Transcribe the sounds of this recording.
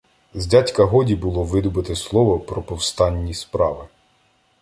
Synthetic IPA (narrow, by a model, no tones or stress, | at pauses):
zʲdʲatʲkɐɦɔdʲibʊlˠɔʋɪd̪ʊbɪt̪ɪslˠɔʋɔpɾɔpɔwst̪ɑnʲːispɾɑʋɪ